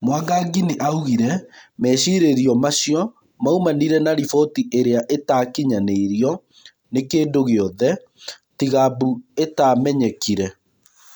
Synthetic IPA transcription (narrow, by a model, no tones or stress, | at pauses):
mwaɡaɡiniʔauɣiɾɛmɛɕiɾeɾiɔmaɕjɔ | maumaniɾɛnaɾifɔtiʔeɾeaʔetaːkiɲaneiɾjɔ | nekeːndoɣeɔðɛ | tiɣabuetamɛɲɛkiɾɛ